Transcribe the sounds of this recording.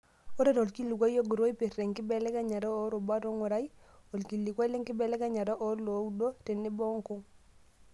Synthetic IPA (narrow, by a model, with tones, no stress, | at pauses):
o˦ɾe˦ɾo˨lki˦lːu˨ɡo˦jo˦ɡu˨ɾo˦i˦pi˨ɾːe˨ŋki˦bɛ˦lɛ˦ka˦ɲa˨ɾo˦o˦ɾu˨ba˦ɾo˦ŋu˨ɾa˦jo˨lki˨lːi˨kʷa˦le˦ŋki˦bɛ˨lɛ˦ɡa˦ɲa˨ɾo˦ʔo˦ɾlo˨˦do˦ɾi˨nːi˦bɔ˦ŋku˦ŋ